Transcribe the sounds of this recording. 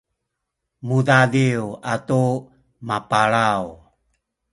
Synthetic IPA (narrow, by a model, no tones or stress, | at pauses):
mudadiuatu | mapaɭaw